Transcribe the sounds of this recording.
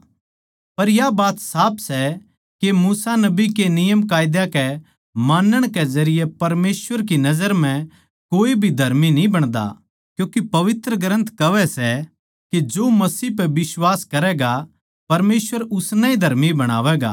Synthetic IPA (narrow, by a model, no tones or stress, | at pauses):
pɐɾjabaːt̪saːpʰsɛ | kemuːsanɐbikenɪjəmkaːjd̪jakɛ | maːnəɽ̃kɛzɐɾɪjɛpɐɾmeːsʋəɾk̬inɐzəɾm̤ɛ̃ | koːibʱid̪ʱɐɾminĩbɐɽ̃d̪a̰ | kjũːkipɐʋɪt̪ɾəɡɾə̃nt̪ʰkɐʋɛsɛ | ked͡ʒoːmɐsiːpɛbɪswaːskɐɾɛɡa | pɐɾmeːsʋəɾʊsnɛid̪ʱɐɾmibɐɽ̃a̰ːʋɛɡa̰ː